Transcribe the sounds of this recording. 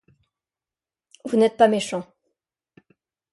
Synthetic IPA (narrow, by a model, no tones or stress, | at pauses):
vunɛt̪̚pameʃɑ̃